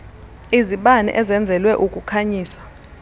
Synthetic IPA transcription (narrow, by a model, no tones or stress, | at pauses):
iziɓanɛ̰ʔɛzɛnd͡zʱɛlwɛʔukʼukʰaɲiːsḁ